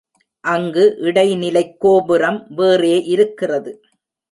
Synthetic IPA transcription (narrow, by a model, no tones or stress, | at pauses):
ʔɐŋɡɯʔɪɽɐɪnɪlɐɪkːoːbɯɾɐmʋeːreːʔɪɾɯkːɪrɐðɯ